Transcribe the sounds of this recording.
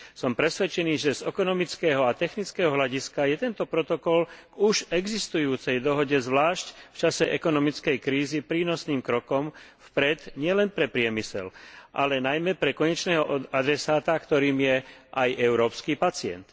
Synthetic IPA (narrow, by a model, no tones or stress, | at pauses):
sɔmpɾɛsʋɛt͡ʃɛniːʒɛzɛkɔnɔmit͡skɛːɦɔat̪ɛxnit͡skɛːɦɔɦlaɟiskajɛt̪ɛnt̪ɔpɾɔt̪ɔkɔlɡuʒɛɡzist̪ujuːt͡sɛjd̪ɔɦɔɟɛzʋlaːʃcft͡ʃasɛʔɛkɔnɔmit͡skɛjkɾiːzipɾiːnɔsniːmkɾɔkɔmfpɾɛd̪ɲɪɛlɛnpɾɛpɾɪɛmisɛ̰lʔalɛnajmɛpɾɛkɔɲɛt͡ʃnɛːɦɔad̪ɾɛsaːt̪akt̪ɔɾiːmjɛʔajʔɛʊɾɔːpskiːpat͡sɪɛ̰nt̪